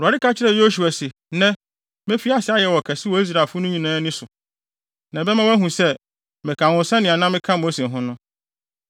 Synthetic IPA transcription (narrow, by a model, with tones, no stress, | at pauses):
u˨a˨ɾɪ˦ka˦t͡ɕʰɪ˦ɾɛ˨jo˦su˨a˨se˨ | nɛ̃˦ | mẽ˦fi˦a˦sɪ˨˦a˦jɛ˨wɔ˨kʰɛ˨sɪ˦wɔ˨i˦s̬ɾa˨fʊ˦nʊ̃˦ɲĩ˨nãː˦nɪ̃˦sʊ˨ | nã˨bɛ˦mã˦wæ˦ɦũ˨sɛ˦ | mɪ̃˨kʰã˨ʊ̃˨˦sɛ̃˦nɪ̃˨a˨nã˦mɪ̃˦kʰã˦mo˦sẽ˨ɦʊ̃˦nʊ̃˦